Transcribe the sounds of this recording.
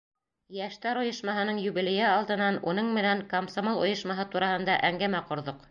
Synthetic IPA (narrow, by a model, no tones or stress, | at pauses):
jæʃt̪æɾŏjɤ̆ʃmɑɦɤ̆nɤɴjʉβilĕjæɑlˠd̪ɤ̆nːɑnunɤɴmɘ̆næŋkomsomolˠŏ̰jɤ̆ʃmɑɦɤt̪uɾɑhɤ̆nd̪ɑʔæŋɡæmæqŏɾðoq